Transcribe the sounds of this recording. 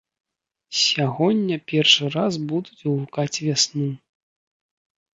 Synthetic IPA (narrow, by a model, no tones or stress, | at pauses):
sʲaɣɔnʲːɐpʲɛrʂɨɾazbud̪ut͡sʲuvukat͡sʲvʲasnu